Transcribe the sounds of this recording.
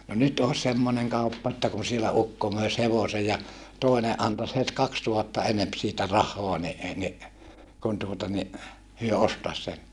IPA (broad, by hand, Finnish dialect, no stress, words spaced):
no nyt oːs semːoneŋ kɑupːɑ etːæ kun sielæ ukːo møis heʋose jɑ toˑine ʔɑntɑs het kɑkstuhɑtːɑ enemp siːtæ rɑhˑoɑ ni e ni kun tuotɑ ni hyø ostɑs sen